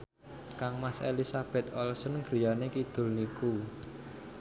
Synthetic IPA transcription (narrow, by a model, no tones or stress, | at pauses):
kaŋmasḛlisab̥ɛ̤t̪̚ɔlsənɡ̥ɾi̤janekid̪̥ʊ̤lniku